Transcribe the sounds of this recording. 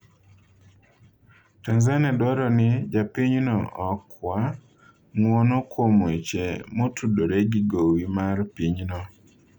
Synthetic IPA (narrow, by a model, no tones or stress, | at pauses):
tanzanadwɔɾɔnɪd͡ʒapiɲnɔʔɔkwa | ŋwɔnɔkʰwomet͡ʃemotʰudoɾeɡiɡowimarpiɲnɔ